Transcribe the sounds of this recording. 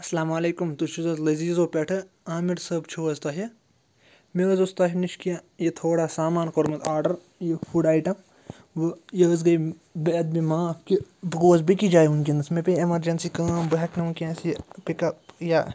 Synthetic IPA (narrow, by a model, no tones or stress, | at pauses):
ɐslaːmaːleːkumt̪uʃuzɐzlɐziːzoːpeʈʰɨ | aːmiɾsɐbt͡ʃʰoːɐzt̪aːɦi | meɐzost̪aːɦiniʃkijajet̪ʰoːɽaːsaːmaːnkoɾmɐt̪aːɾɖɐɾ | jefʰuɖaːiʈɐ | ʋɨjɐzɡɐi | beːt̪̚bimaːpkibɐɡoːzbikid͡ʒaːjunkinɐsmẽpeemɐɾd͡ʒɐnsikaːmbɐɦɐknɐũkẽːsjepikɐja